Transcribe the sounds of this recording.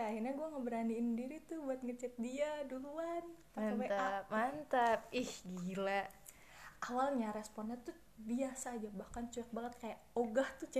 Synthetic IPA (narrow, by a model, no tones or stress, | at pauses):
jaːɦirɲaɡuaŋəbəɾaniːndiɾit̪ʊbuat̪̚ŋət͡ʃɛt̪̚diaduluant̪aawat̪aamant̪ap̚ihɡila | awalɲaɾɛspɔnɛt̪ʊ | biasaːd͡ʒabahkant͡ʃuɛk̚baŋət̪̚kajaʔoɡaht̪ʊt͡ʃɛ